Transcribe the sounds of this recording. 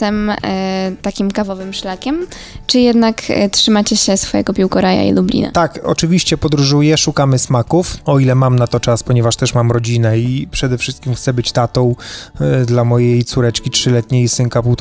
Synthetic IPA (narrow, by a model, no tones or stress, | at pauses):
ɛm | t̪akʲimkavɔvɘmʂlakʲɛm | t͡ʂɘjɛd̪naktʂɘmat͡ɕɛɕɛsfɔjɛ̰ɡɔpʲiwkɔɾaja̰ḭlublʲḭna̰t̪akɔ̰t͡ʂɘvʲiɕt͡ɕɛpɔd̪ɾuʐujɛʂukamɘsmakufɔilɛmamnat̪ɔt͡ʂaspɔɲɛvaʂt̪ɛʂmamɾɔd͡ʑinɛipʂɛd̪ɛfʂɘst̪kʲimxt̪sɛbɘt͡ɕt̪at̪ɔ̃w̃ | d̪lamɔjejt̪suɾɛt͡ʂkʲitʂɘlɛt̪ɲejsɘŋkaput̪